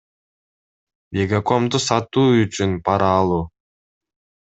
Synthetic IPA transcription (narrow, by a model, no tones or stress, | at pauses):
mʲeɡako̞md̪usɑt̪uːyt͡ʃynpɑɾɑːlˠuː